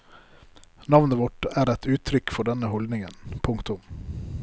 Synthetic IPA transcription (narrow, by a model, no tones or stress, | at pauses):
nɑʋnəʋɔʈæːɾɛt̪ʉːt̪ʰɾʏkfɔɖɛnəhɔld̪nɪŋənpʰʊŋkt̪ʊm